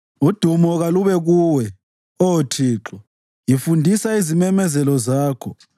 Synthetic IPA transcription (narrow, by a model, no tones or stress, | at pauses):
ud̥ʱumɔɣaluβɛɣuːwɛ | otʰiːǁɔ | jifundʱisaizimɛmɛzɛlɔzaːkʰɔ